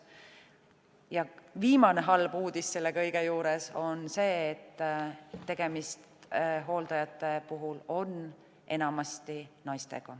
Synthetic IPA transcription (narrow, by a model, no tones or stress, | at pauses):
jɑviːmɑne̞ɦɑlb̥uːd̪̥isse̞lːe̞kɤ̞jɡ̥e̞juːɾe̞so̞nse̞ːt̪ːe̞ɡ̥e̞mist̪ɦo̞ːld̪̥ɑjɑt̪ːˑe̞puɦulo̞n | ʔe̞̰nɑmɑst̪inɑjst̪e̞̰ɡ̥ɑ